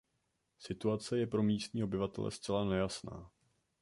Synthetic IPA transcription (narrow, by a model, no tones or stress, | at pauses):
sɪt̪uat͡sɛjɛpɾo̞miːst̪ɲiːo̞bɪvat̪ɛ̰lɛ̰st͡sɛlanɛjasna̰ː